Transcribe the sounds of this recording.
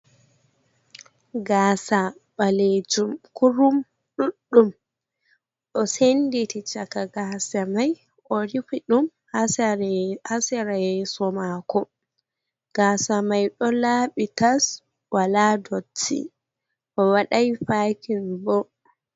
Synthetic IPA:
ɡaːsaɓaled͡ʒumkuɾum | ɗuɗːum | ɗɔsenditit͡ʃakaɡasamaj | ʔɔɾifiɗum | hasɾhasɛɾaɛsɔmakɔ | ɡ̥aːsamajɗɔlaɓitas | waladɔtːḭ | ʔɔwaɗajfaːkinbɔ

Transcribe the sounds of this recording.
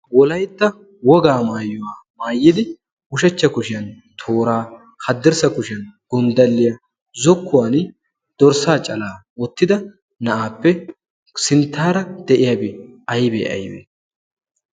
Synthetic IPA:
wɔlɐjt̪ːɐ | wɔɡaːmaːjːɔwaːmaːjːɪd̪ɪ | ʊʃɐt͡ʃːɐkʊʃɪjɐn | t̪ʰoːɾaː | hɐd̪ːɛɾsɐkʊʃɪjɐnɡ̥ʊnd̪ɐlːɪjɐ | zɔkːʊwaːn | d̪̥ɔɾsaːt͡ʃʼɐlaːwɔt̪ːɪd̪ɐ | nɐʔaːpːɛ | sɪnt̪ːaːɾɐd̪̥ɛʔɪjaːbɛʔɐjbḛːɐ̰jbḛː

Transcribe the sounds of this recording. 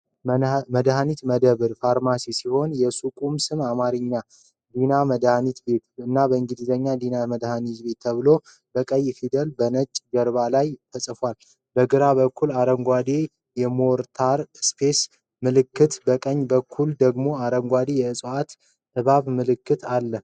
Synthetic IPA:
məd̪ɦanit̪məd̪əβɨɾfaɾmasisiho̞njɛsukʼumsɨmamaɾɨɲːa | d̪inaməd̪hanit̪be̞t̪ɨnːabəɨŋɡɨd̪izəɲːad̪inaməd̪hanit̪be̞t̪ʰːəβɨlo̞ | b̥əkʼəjːfid̪əlbənət͡ʃʼɡəɾbalajt̪ʰəsʼfwal | bəɡɨɾaβəkʰːulaɾəŋɡʷad̪e | jɛmoɾt̪ʰaɾspʰes | mɨlɨkːɨt̪bəkʼəɲːbəkʰːuld̪əɡmo̞aɾəŋɡʷad̪ejɛɨsʼat̪ | ɨβaβmɨlɨkːɨt̪alːə

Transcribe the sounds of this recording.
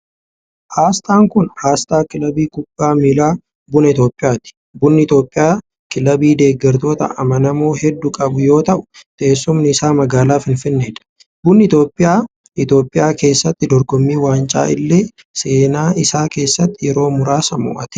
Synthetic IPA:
haːst̪ʼaːŋkʊnhaːst̪ʼaːkɪlɐbiːkʊb̥ːaːmilaː | bʊnɐɪt̪o̞ːpʼːɪjaːt̪ɪ̥ | bʊnːɪɪt̪joːpʼːɪjaː | kɪlɐbiːd̪e̞ːɡːɛɾt̪o̞ːt̪ɐ̰ɐmɐnɐmoːɦɛd̪ːʊkʼɐbʊjo̞ːt̪ɐʔʊ̥t̪ʼeːsːʊmnɪːsaːmɐɡaːlaːfɪnfɪnːeɛᶑ̪ɐ̥ | bʊnːɪt̪o̞ːpʼːɪjaː | ɪt̪jo̞ːpʼːɪjaːke̞ːsːɐt̪ːɪd̪ɔɾɡɔmːiːwaːnt͡ʃʼa̰ːɪlːe̞ː | se̞ːnaːʔɪsaːke̞ːsːɐt̪ːɪjɛɾo̞ːmʊɾaːsɐmʊ̰ʔɐt̪ɪ̥

